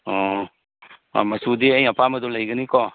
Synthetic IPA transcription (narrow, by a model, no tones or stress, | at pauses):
ɔ | a̰masud̪iajapamadulajɡənikɔ